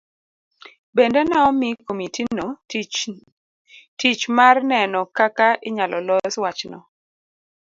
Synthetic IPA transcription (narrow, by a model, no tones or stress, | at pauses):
bendɛnaɔmikomitin | tit͡ʃmarnɛnɔkakaʔɪɲalɔlɔswat͡ʃnɔ̰